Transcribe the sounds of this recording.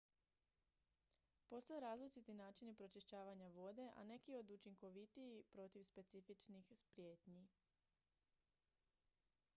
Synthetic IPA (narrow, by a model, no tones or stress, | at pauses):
po̞st̪o̞jeɾaːzlit͡ʃit̪inaːt͡ʃinipɾo̞t͡ʃiʃt͡ɕaːʋaɲaʋo̞d̪e̞ʔa̰ne̞kio̞d̪ut͡ʃiŋko̞ʋit̪iipɾo̞t̪iʋspe̞t̪sifit͡ʃnixspɾje̞ːt̪ɲi